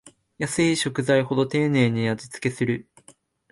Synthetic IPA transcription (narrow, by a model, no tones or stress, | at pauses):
jasɨiɕo̞kɯ̟zaiho̞d̪o̞t̪e̞ːne̞ːɲ̟ijad͡ʑi̥t͡sɨ̥ke̞sɨɾɯ̟